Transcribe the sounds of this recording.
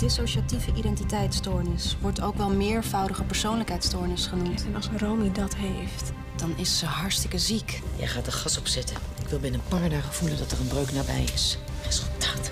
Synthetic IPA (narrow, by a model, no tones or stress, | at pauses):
d̥ɪsowʃativəʔidɛntitɛjtstɔɹnɪsʋɔɹtʰowkʋɛlˠmɪːɹvɑwdəχəpəɹsownləkɦɛjtstɔɹnɪsχənumtɛnɑlˠsromidɑtɦejft | d̥ɑnɪsːəɦɑɹstɪkəzikjɛ̰jχaːt̚dəχɑsɔpsɛtənɪkʋɪlˠbɪnəpaːɹdaːχəvuləndɑtərənbrøɥknabɛ̰jɪs | rez̥ɵlˠtaːt